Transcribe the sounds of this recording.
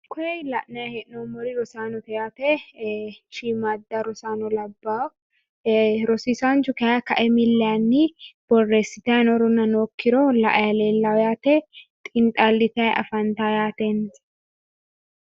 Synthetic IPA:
kɔjɛjlɐʔnɐjɐhɛʔnɔmɔɾɪɾɔsaːnɔt̪ɛjaːt̪ɛ | ʃiːmad̪ːɐɾɔsaːnɔlɐbːaː | ɾɔsiːsant͡ʃʊkɛjakɐʔɛmɪlːɛanːɪb̥ɔrːeːsːɪt̪ɐnɔɾʊnːɐnoːkːɪɾɔlɐ̰ʔɐjɐleːlːɐwɔjaːt̪ɛt̪ʼɪnt̪ʼalːɪt̪ɐjʔɐ̰fɐnt̪ajaːt̪en

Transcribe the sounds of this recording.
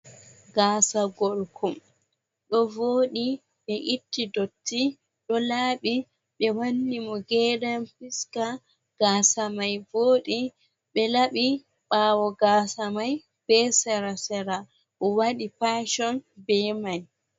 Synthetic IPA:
ɡaːsaɡɔlkʰɔm | ɗɔvoːɗi | ɓɛʔitːidotːi | ɗɔlaːɓi | ɓɛwanːimɔɡɛːdamfiska | ɡ̥aːsamajvoːɗi | ɓɛlaɓi | ɓawɔɡaːsamaj | b̥ɛsɛɾasɛɾa | ʔɔwaɗipaʃɔnbɛmaj

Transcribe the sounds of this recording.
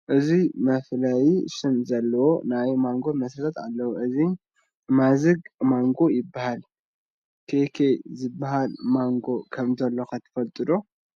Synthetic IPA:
ʔɨzimɐflajiʃɨnzɐlːɐwonajmaŋɡo̞mɐsɾɨt̪ʰat̪alːɐwuʔɨzi | mazɨɡmaŋɡo̞jɪbːahal | kʰekʰezɨbːahalmaŋɡo̞kʰɐmzɐlːo̞kʰɐt̪ʰːɐ̥fɐlt̪ʼɨd̪o̞

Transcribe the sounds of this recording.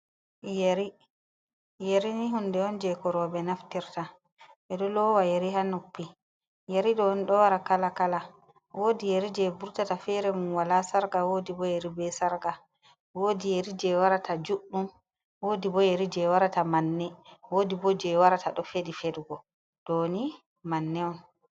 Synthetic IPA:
jeɾi | jeɾiniɦundɛɔnd͡ʒɛkɔɾɔbɛnaftiɾta | ɓɛɗɔlɔwajeɾihanupːi | jeɾiɗɔnɗɔwaɾakalakala | woːdijeɾid͡ʒɛbuɾtatafɛɾɛmunwalasaɾɡawoːdibɔjeɾibɛsaɾɡa | woːdijeɾid͡ʒɛwaɾatad͡ʒuɗːum | woːdibɔjeɾid͡ʒɛwaɾatamanːɛwoːdibɔd͡ʒɛwaɾataɗɔfedifeɗuɡɔ | d̥ɔni | manːɛɔn

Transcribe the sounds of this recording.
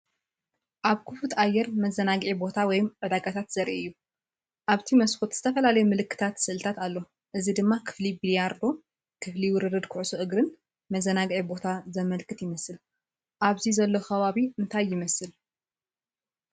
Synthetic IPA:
ʔaβkʰɨfut̪ajːɛɾmɐzɐnaɡʕibo̞t̪ʰawɔjmʕɨd̪aɡat̪ʰat̪z̥ɐɾʔijːu | ʔaβt̪ʰimɐsxot̪z̥ɨt̪ʰɐfɐlalɐjumɨlɨkːɨ̥t̪ʰat̪sɨʔɨlt̪ʰat̪alːo̞ | ʔɨzid̪ɨmːakʰɨ̥flibilijaɾd̪o̞ | kʰɨfliwʊɾɨɾɨd̪kʰʊʕusuʔɨɡɾɨn | mɐzɐnaɡʕibo̞t̪ʰazɐmɐlkʰɨt̪jɪmɐsɨl | ʔaβzizɐlːo̞xɐβaβiɨnt̪ʰajːɪmɐsɨl

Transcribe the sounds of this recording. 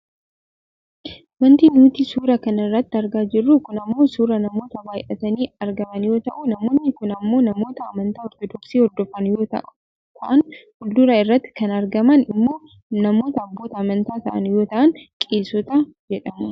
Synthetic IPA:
wɐnt̪iːnuːt̪iːsuːɾɐkɐnɐɪrːɐt̪ːɪɐɾɡaːd͡ʒɪrːukʊnɐmːo̞ːsuːɾɐnɐmo̞ːt̪ɐwaːjʔɐt̪ɐniːɐɾɡɐmɐnjo̞ːt̪ɐʔʊnɐmo̞ːnːɪkʊnɐmːo̞ːnɐmo̞ːt̪ɐɐmɐnt̪aːɔɾt̪ɔd̪ɔksiːɔd̪ːɔfɐnjo̞ːt̪ɐ̰ʔ | t̪ʰɐʔɐnhʊld̪ʊɾɐɪrːɐt̪ːɪ̥kɐnɐɾɡɐmɐnɪmːo̞ː | nɐmo̞ːt̪ɐːbːo̞ːt̪ɐːmɐnt̪aːt̪ɐʔɐ̰njo̞ːt̪ɐʔɐnkʼe̞ːsɔt̪ad͡ʒɛᶑɐmʊ

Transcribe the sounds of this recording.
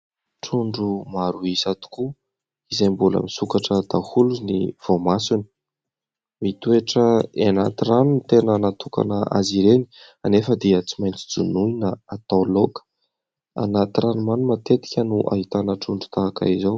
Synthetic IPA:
ʈ͡ʂuɳɖ͡ʐumaɾuisat̪u̥ku | izajmbulə̰misukaʈ͡ʂəd̪̥ahulunḭv̥omasuni̥ | mit̪ueʈ͡ʂəenat̪iranunt̪enənat̪uka̰nəʔa̰ziɾeni | anefəd̪iət͡simajnt͡si̥d͡zunuinəat̪awlokə̥ | a̰nat̪iranumanumat̪et̪i̥kʲənuʔa̰ɦit̪anəʈ͡ʂuɳɖ͡ʐu̥t̪aaka̰izaw

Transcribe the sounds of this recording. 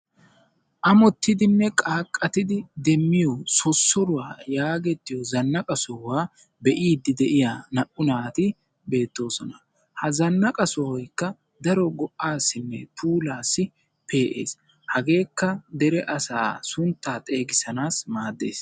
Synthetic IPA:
ʔɐmɔt̪ːɪd̪ɪnːɛkʼaːkʼːɐt̪ɪd̪ɪd̪ɛmːɪjosɔsːɔɾʊwaːjaːɡɛt̪ːɪjɔzɐnːɐkʼɐsɔwaː | bɛʔiːd̪ːɪd̪ɛʔɪjaːnɐʔʊnaːt̪ɪ | be̞ːt̪ːo̞ːsɔnɐ | hɐzɐnːɐkʼɐsɔwɔjkːɐ | d̪ɐɾɔɡɔʔaːsːɪnːɛpʰuːlaːsːɪ | pe̞ːʔḛːs | hɐɡe̞ːkːɐd̪ɛɾɛʔɐsa̰ːsʊnt̪ːaːt̪ʼe̞ːɡɪsɐnaːsmaːd̪ːḛːs

